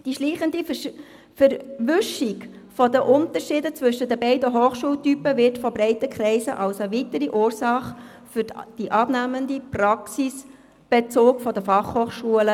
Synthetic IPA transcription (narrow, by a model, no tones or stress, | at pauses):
d̥iʃliːχəndi | fəɾʋʏʃikfɔd̪əʔʊnt̪əɾʃiːdət͡sʋʏʃədəbɛɪdəɦoːχʃuːltypəʋɪtfɔbɾɛɪtəkχɾɛɪsəʔɑlsəʋitəɾiʔuːɾsɑχ | fʏɾd̥iʔɑbnæmənd̪iprɑksis | b̥et͡soːkfɔd̪əfɑχhoːχʃuələ